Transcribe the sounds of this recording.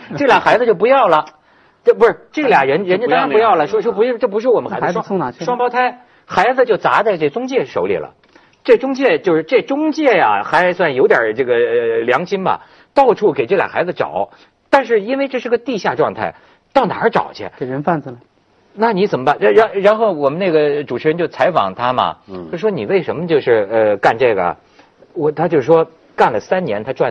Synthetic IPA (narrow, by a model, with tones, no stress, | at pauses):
ʈ͡ʂɤ˥˩ljɑ˨˩ŋxa˧˥d͡zɹ̩˧t͡ɕjo˥˩ʊpu˧˥jɑ˥˩ʊlə˩ | t͡ɕpu˧˥ʂʈ͡ʂɤ˥˩˧ljɑ˨˩ŋɻə˧˥nɻə˧˥nt͡ɕ̪ɑ̃˥pu˧˥jɑ˥˩ʊlə˩ʂwɔ˥ʂwɔ˥pu˧˥ʂɻ̩˥˧ʈ͡ʂɤ˥˩pu˧˥ʂɻ̩˥˩wɔ˨˩mə˦xa˧˥˧ʂwʂwɑ˥ŋpɑ˥ʊt̪ʰa˥ɪ | xa˧˥ɪd͡z̩˧t͡ɕjo˥˩ʊt͡sa̰˧˥t͡sa˥˧ɪʈ͡ʂɤ˥˩ət͡sʊ˥ŋt͡ɕjɛ˥˩ʂo̰˧˥ʊlḭ˨˩lə̰˩ | ʈ͡ʂɤ˥˩t͡sʊ˥ŋt͡ɕjɛ˥˧t͡ɕjo˧ʊʂɻ̩˥˧ʈ͡ʂɤ˥˩t͡sʊ˥ŋt͡ɕjɛ˥˩ja̰˩xa˧˥ɪswa˥˩njo˧˥ʊt̪jɑ̰˨˩ʈ͡ʂɤ˥˩ɡə˩ljɑ˧˥ŋɕʰi˥nbɐ̰˨˩ | t̪ɑ˥˧ʊʈ͡ʂʰu˥˩ke˨˩ɪʈ͡ʂɤ˥˩ljɑ̰˨˩xa˧˥ɪd͡zə˧ʈ͡ʂɑ̰˨˩˦ʊ | t̪a˥˧nʂɻ̩˥˩i˥nwe˥˧ɪʈ͡ʂɤ˥˧ʂɻ̩˥˧˥ɡə˧t̪i˥˧ɕja˥˧ʈ͡ʂwɑ˥˧ŋt̪ʰa̰˥˩ɪ | t̪ɑ˥˩ʊna˨˩ə˧˥ʈ͡ʂɑ̰˨˩ʊt͡ɕʰɛ̰˧˥ke˨˩ɻə˧˥nfa˥˩nd͡z̩˨˩l | na˥˩ni˧˥t͡sə˨˩nmə˦ba˥˩na˥ɻa˧˥nɻa˧˥nxo˥˩ʊwɔ˨˩mə˦ne˥˩ɡə˩ʈ͡ʂu˨˩ʈ͡ʂ̩ʰ˧˥ɻə˧˥nt͡ɕjo˥˩ʊt͡sʰa˧˥ɪfɑ̰˨˩ŋt̪ʰa˥mɐ̰˨t͡ɕo˥˩ʂɻʂwɔ˥ni˨˩we˥˩ɪʂə˧˥nmə˧t͡ɕjo˥˧ʊʂɻ̩˥˧ə˧ka˥˧nʈ͡ʂɤ˥˩ɡə̰˩ | wɔ˨˩t̪ʰa˥t͡ɕjo˥˧ʊʂʂwɔ˥ | ka˥˩nlə˩sa˥nnjɛ˧˥nt̪ʰa˥ʈ͡ʂwa˥˩